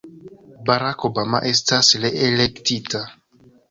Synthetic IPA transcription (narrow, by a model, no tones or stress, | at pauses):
baɾakobama̰ʔe̞s̬tasleelektita